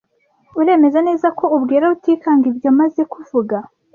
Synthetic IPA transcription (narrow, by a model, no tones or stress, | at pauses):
uɾe̞ːme̞zane̞ːzako̞ubɡiːɾautiːkaːŋɡibjomaze̞kuvuɡa